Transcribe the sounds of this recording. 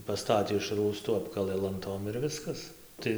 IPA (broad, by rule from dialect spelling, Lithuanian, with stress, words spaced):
pɐˈstɑːtʲeː ɪʃ ˈruːstʊ ˈɑːpkɐlˠɘ lˠɐnˈtoːm ɪr ˈʋʲɪskɐs ˈtɐɪ